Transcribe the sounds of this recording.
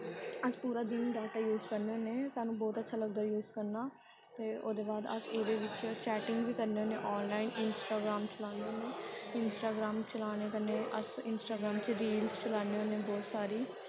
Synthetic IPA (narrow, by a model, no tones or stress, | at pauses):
əspuːɾaːd̪ɪnɖɛːʈaːjuːzkəɾneːoːneːsaːnũːbɔːt̪ətːʃʰaːləɡd̪aːjuːzkəɾnaː | t̪eːʔo̰ːd̪eːbaːd̪ə̰seːd̪eːʋɪt͡ʃt͡ʃɛːʈɪŋɡʋiːkəɾneːoːnḛːʔɔːnlaːinɪnsʈaːɡɾaːmt͡ʃəlaːneoːneːɪnsʈaːɡɾaːmt͡ʃəlaːɽ̃eːkəɾneːʔə̰sɪnsʈaːɡɾaːmt͡ʃeɾiːlst͡ʃəlaːneːoːnẽːbɔːt̪saːɾiː